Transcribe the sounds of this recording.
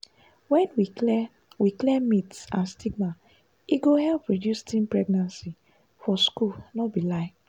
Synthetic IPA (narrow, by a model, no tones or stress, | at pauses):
wɛ̃nwi | wiklɛmitsãnstʰiɡma | iɡohɛlpɹidjustĩnpɹɛɡnãnsi | fɔskulnɔbilaɪf